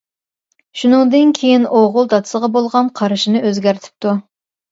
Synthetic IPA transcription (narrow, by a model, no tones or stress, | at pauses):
ʃunɨŋd̪ɨnkʲʰejinoʁʊlˠd̪ɑt̪ʰsəʁɑbolˠʁɑnqʰɑɾɨʃinɨʔøzɡʲæɾt̪ʰɪ̥p̚t̪ʰu